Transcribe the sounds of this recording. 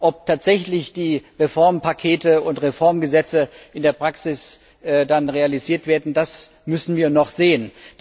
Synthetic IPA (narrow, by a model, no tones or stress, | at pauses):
ʔɔp̚tʰaːtz̥ɛçlɪçd̥iːʁefɔɐmpakʰeːtəʊntʁefɔɐmɡəzɛt͡səʔɪndeːɐpʁ̥aksɪs | ʔːdanʁealiziːɐtv̥eːɐdn̩das | mʏsn̩viːɐnɔχz̥eːən